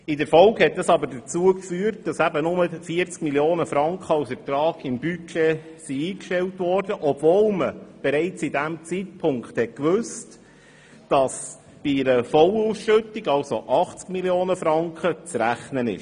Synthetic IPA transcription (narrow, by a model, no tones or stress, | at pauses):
ɪdəɾfɔlkhɛt̚dɑsɑbəɾdət͡suəkfyːəɾt̚d̥ɑsæbənʊməfiəɾt͡skmiljoːnəfɾɑŋkχəɑlsfəɾt̪ɾɑːɡ̥ɪmbyt͡ʃe | siiːkʃtɛltʋɔɾdəʔɔb̥voːlməb̥ɛɾɛɪt͡sidæmt͡siːt̚pʰʊŋkχthɛt̚kʋøst | d̥ɑs | b̥iɾəfɔlusʃʏtːiɡɑlsoʔɑχt͡skmiljoːnəfɾɑŋkχət͡sɾæχnənɪ̰ʃ